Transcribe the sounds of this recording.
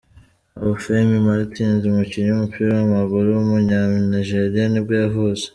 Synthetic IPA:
aβufemimaɾitiːnzimuciɲoumupʰiɾowamaɡuɾuwumuɲaːniʒeɾijanibɡaaɦuze̥

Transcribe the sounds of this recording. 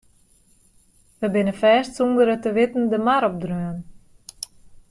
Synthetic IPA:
ʋəbɪnəfɛːstsumdəɾətəʋɪtn̩dəmaɾɔp̚drøən

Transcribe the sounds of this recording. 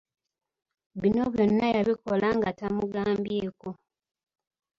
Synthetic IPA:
βino̞βjo̞nːajaβiko̞laŋɡatamuɡaːmbijeːko̞

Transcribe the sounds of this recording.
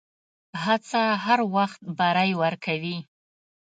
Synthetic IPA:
hat͡saɦaɾwaxt̪̚baɾajwəɾkʰawi

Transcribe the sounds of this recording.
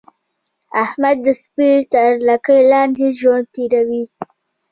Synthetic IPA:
ahmad̪ːəspiɾt̪əɾlakəjlɑnd̪eʒwand̪̚t̪iɾawi

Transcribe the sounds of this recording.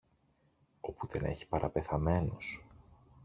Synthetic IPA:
o̞puðe̞ne̞̰çi̥pɐɾʔɐpe̞θɐme̞nos

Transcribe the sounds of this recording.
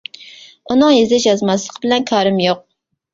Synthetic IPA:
unɨŋjezɛʃjɑzmɑslˠəqʰbɪlɛnkʰɑːɾɨmjoq̚

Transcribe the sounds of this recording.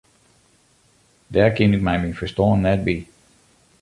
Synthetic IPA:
dɛkʰɪnɪkmɛjmifəstɔːnːɛt̚bi

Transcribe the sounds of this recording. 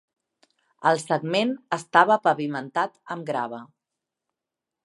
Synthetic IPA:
əlˠsəɡmenəst̪aβəpəβimənt̪at̪əmɡɾa̰βə

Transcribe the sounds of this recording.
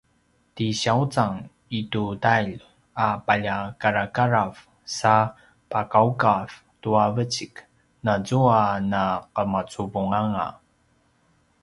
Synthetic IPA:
tiɕaut͡saŋ | itutajʎ | apaʎakaɾakaɾav | sa | pakaukav | tuavət͡ɕik | nad͡zuanaqəmat͡suvuŋaŋa̰

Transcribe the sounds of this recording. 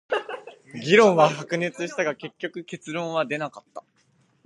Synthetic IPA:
ɡʲiɾõ̞ɰ̃βahakɯ̟ne̞t͡sɨɕi̥t̪aɡake̞kʲːo̞kɯ̟ke̞t͡sɨɾõ̞ɰ̃βad̪e̞nakat̪ːa

